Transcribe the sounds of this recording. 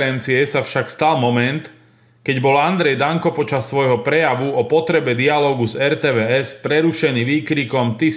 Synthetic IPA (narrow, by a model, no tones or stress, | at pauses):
ɾɛnt͡siɛsafʃakst̪almɔmɛnt̪ | kɛɟbɔland̪ɾɛjd̪aŋkɔpɔt͡ʃasːʋɔjɦɔpɾɛjaʋuɔpɔt̪ɾɛbɛd̪ialɔːɡuzɛɾt̪ɛːʋɛːɛspɾɛɾuʃɛniːʋiːkɾikɔmt̪i